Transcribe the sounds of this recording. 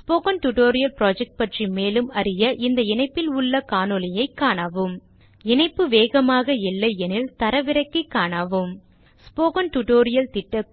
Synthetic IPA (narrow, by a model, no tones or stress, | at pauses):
spoːkɐnʈʊʈoːɾɪjɐlpɾaːd͡ʒɛk̚ʈ̚pɐʈrimeːlɯmɐɾɪjɐʔɪnd̪ɐɪnɐɪpːɪlʊɭːɐkaːnɯlɐjɐɪkːaːɳaːʋɯm | ɪnɐɪpːɯʋeːɣɐmaːɣɐɪlːɐɪɛnɪlt̪ɐɾɐʋɪɾɐɪkːɯkːaːɳaːʋɯm | spoːkɐnʈʊʈoːɾɪjɐlt̪ɪʈːɐ